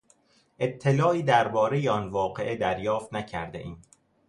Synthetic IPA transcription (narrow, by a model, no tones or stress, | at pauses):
ʔe̞t̪ʰːe̞lɒːiːd̪æɾbɒːɾe̞jeɒnvɒːɢe̞ʔed̪æɾjɒːft̪næcʰæɾd̪ḛʔiːn̥